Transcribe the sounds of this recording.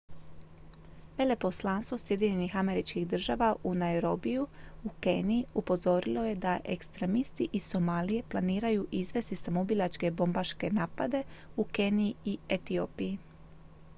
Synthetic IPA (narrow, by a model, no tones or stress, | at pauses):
ʋe̞le̞po̞slˠaːnst̪ʋo̞sje̞d̪iɲe̞nixame̞ɾit͡ʃkiɣd̪r̩ʒaːʋaʔunaeɾo̞bijuuke̞ːnijiupo̞zo̞ɾilo̞je̞d̪aʔe̞kst̪ɾe̞mist̪iʔiso̞maːlije̞plˠaniːɾajuʔizʋe̞st̪isamobilˠat͡ʃke̞bo̞mbaʃke̞naːpad̪e̞uke̞niiiet̪io̞ːpiji